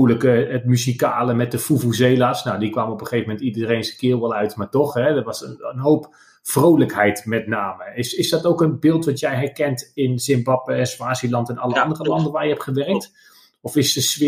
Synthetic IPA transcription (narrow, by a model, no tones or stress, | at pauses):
ləkəətmyzikaːləmɛt̚dəfuvuzeːlasnawdikʋaːməɔpəχejvəmɛntidəərejnsəkɪːlˠʋɛlˠœɥtmaːɹtɔχɦɛdəʋɑsəənɦowp | frowləkɦɛjtmɛtnaːməɪsɪsdɔtowkənbɪːlˠtʋɑtjɛjɦɛrkɛntɪnsɪmbɑpəɛnspaːsilɑntɛnɑləɑndərəlɑndənʋaːrjəɦɛptχəʋɛrək̚t | ɔfɪsdəsʋɪ